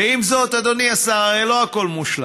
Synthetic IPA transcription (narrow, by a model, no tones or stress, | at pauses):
eimzo̞t̪ad̪oniasaaʁejlo̞ako̞lmuʃla̰